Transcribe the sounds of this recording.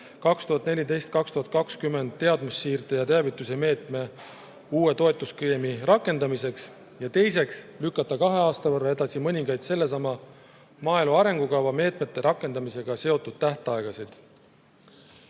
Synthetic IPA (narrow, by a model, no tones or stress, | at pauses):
kɑkst̪uɦɑt̪ːˑne̞lʲid̪e̞jst̪̚kɑkst̪uɦɑt̪̚kɑkskymːe̞nd̪t̪ːe̞ɑd̪̥musːiːrd̪ejɑt̪eæɑvit̪ːˑuse̞me̞ːt̪ˑme̞ | uːwe̞t̪o̞e̞t̪ːˑuskijemiɾɑkːˑe̞nd̪ɑmise̞ks | jɑt̪e̞js̬e̞kslykːɑt̪ːˑɑkɑɦe̞ɑːst̪ɑvɤrːɑe̞d̪̥ɑsimɤnʲiŋɡɑjd̪̥se̞lːe̞s̬ɑmɑ | mɑːjluɑɾe̞ŋɡ̥ukɑwvɑme̞ːt̪me̞t̪ːˑe̞ɾʔɑkːˑe̞nd̪ɑmise̞ɡ̥ɑse̞o̞t̪ːˑud̪̥̚t̪æht̪ɑeɡ̥ɑsid̪̥